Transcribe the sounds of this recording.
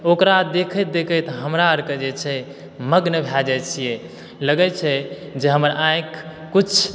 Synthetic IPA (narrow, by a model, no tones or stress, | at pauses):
okɾad̪ekʰət̪̚d̪ekʰət̪ɦəmɾaəɾkəd͡ʒet͡ʃʰɛ | məɡnəbʱjad͡ʒat͡ʃʰije | ləɡɛt͡ʃʰɛ | d͡ʒeɦəməɾãẽkː | ut͡ʃʰ